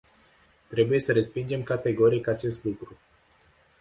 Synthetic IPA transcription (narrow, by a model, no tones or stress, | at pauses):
t̪ɾe̞buje̞səɾe̞spind͡ʒe̞mkat̪e̞ɡo̞ɾikat͡ʃe̞st̪lukɾu